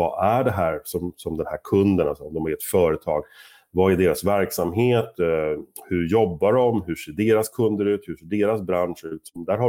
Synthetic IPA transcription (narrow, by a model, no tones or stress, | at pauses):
va̰ʔæɖɛɦæːɾsɔmsɔmd̪ɛnhæːɾkʰɵnd̪ənasɔɔmd̪ɔmaɾɛt̪fœːɾət̪ʰɑ̰ːɡ | vaɛɖeːɾasvæɾksamɦeːt̪ | hɵɾjɔbːaɖɔmɦɵʂeːɖeːɾaskʰɵnd̪əɾʉ̟ːt̪hɵʂeːɖeːɾasbɾanʂʉ̟ːt̪sɔmd̪æːɾɦa